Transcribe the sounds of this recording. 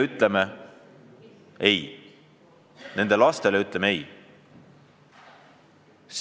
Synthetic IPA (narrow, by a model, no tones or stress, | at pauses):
yt̪ˑleme | e̞j | ne̞nd̪̥elɑst̪e̞leyt̪ˑlemee̞j | s